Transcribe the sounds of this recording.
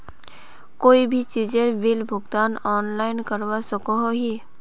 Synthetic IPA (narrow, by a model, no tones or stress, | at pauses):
koːibʱit͡ʃiːd͡ʒeɾbɪlbʱʊɡd̪aːnɔːnlaːɪnkəɾwasəkoɦoɦi